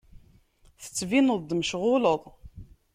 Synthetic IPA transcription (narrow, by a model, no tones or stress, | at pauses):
θə̥t͡sːvinəðˤd̪məʃʁʊləðˤ